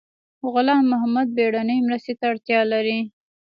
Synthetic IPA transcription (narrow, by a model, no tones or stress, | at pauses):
ɣʊlɑmːʊɦamad̪̚beɽanəjmɾəst̪et̪aːɽt̪jɑlaɾi